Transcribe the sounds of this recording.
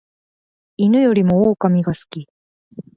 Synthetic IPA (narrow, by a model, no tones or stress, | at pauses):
inɯ̟jo̞ɾʲimo̞oːkamʲiɡasɨ̥kʲi